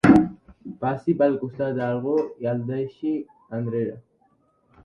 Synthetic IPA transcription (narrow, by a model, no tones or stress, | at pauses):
b̥asibalkʼusd̪ad̪aɾʁɔjald̪aɛʃi | and̪ɾɛɾa